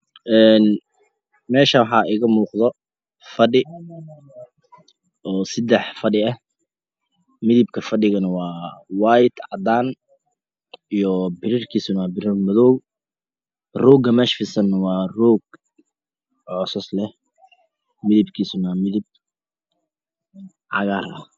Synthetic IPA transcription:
ʔɛːn | mɛːʃɐwħɑːʔɪɣɐmuːqðɔ | fɐɖɪ | ʔɔːsɪd̪ɛħfɐɖɪɐh | mɪðɪbkʰɐfɐɖɪɣɐnɐwɑːwɑːjd̪ʕɑ̰d̪aːn | ijɔbɪɾɪrkʰiːsʊnabɪɾɪrmɔðɔ | rɔːɡɐmɛːʃfɪsɐnːɐwɑːrɔːɡ | ʕɔːsɐslɛh | mɪðɪbkʰiːsʊnɐmɪðɪb̚ | ʕɑ̰ɣaːɾɐ̰

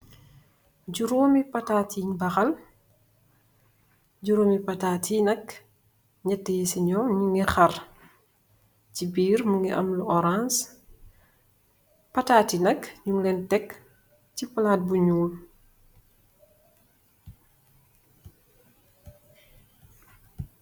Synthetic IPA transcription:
ɟuɾoːmipɐtaːtiɲbɐxɐl | ɟuɾoːmipɐtaːtʰinɐk | ɲatːəjisiɲɔɲuŋɡixɐr | cibiːrmuŋɡiʔɐ̰mluʔɔɾans | pɐtaːtinɐkɲuŋlɛntɛk | cipəlaːt̚buɲuːl

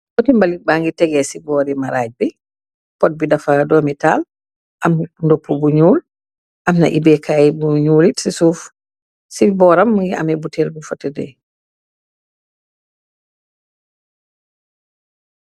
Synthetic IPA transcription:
kotimbalit̚baŋɡitɛɡɛsibɔːɾimaɾaːɟ̚bi | pɔt̚bidafadɔmital | ʔamndopʰːubuɲuːl | ʔamna̰ʔibɛkʰajibuɲuːlitsisuːf | sibɔːɾamːia̰mɛbutɛlbufatːɛdɛ̰

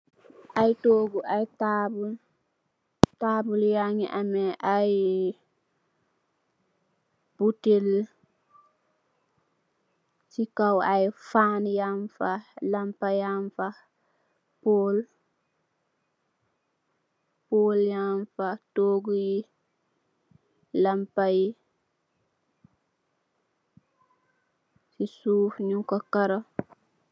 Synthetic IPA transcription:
ʔajtoːɡuajtabul | taːbuljaŋḭʔamɛʔaj | b̥util | sikawajfaːnjaɱfalampajaɱfa | pol | poljamfatoɡuji | lampaji | sisuːfɲukakaɾa

